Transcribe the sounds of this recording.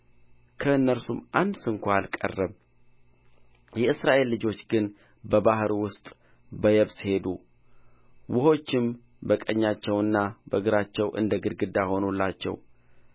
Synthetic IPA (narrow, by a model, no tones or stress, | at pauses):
kʰəɨnːəɾsumʔand̪sɨŋkʷʰaalkʼə̰rːəβ | jɛɨsɾaʔe̞lːɨd͡ʒo̞t͡ʃːɡɨn | bəbahɾwʊst̪ʼ | bəjɛβshe̞d̪ṵ | wʊho̞t͡ʃːɪm | bəkʼəɲːat͡ʃːɛwɨnːabəɡɨɾat͡ʃːɛwʔɨ̰nd̪əɡɨɾɡɨd̪ːaho̞nulːat͡ʃːɛ̰w